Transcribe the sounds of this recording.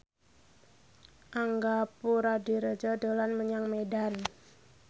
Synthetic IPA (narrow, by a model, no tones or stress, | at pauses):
ʔaŋɡapuɾadiɾəd͡ʒɔdolanməɲaŋmeɖan